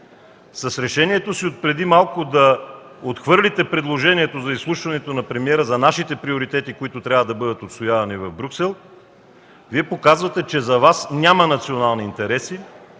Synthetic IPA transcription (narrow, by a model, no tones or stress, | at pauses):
sɐsɾɛʃɛniɛt̪osiot̪̚pɾɛd̪imalˠkod̪ɐot̪xvɤɾlʲit̪ɛpɾɛd̪lˠoʒɛniɛt̪ozɐislˠuʃvɐnɛt̪onɐpɾɛmiɛɾəzɐnaʃit̪ɛpɾioɾit̪ɛt̪ikoit̪ʊt̪ɾʲavəd̪ɐbɤd̪ət̪ot̪st̪ojavɐnivɐvbɾʲuksɛlˠ | viɛpokazvɐt̪ɛt͡ʃɛzɐvasnʲamɐnɐt̪sionalˠniːnt̪ɛɾɛsi